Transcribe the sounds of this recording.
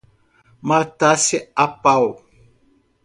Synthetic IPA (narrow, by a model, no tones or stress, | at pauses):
matasiapaw